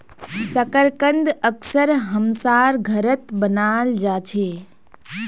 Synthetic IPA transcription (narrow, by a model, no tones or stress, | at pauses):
səkəɾkə̃nd̪əksəɾɦəmsaːɾɡʱɐɾət̪bənaːld͡ʒaːt͡ʃʰeː